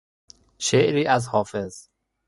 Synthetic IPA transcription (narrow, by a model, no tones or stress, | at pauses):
ʃeʔɾiːʔæzhɒːfe̞z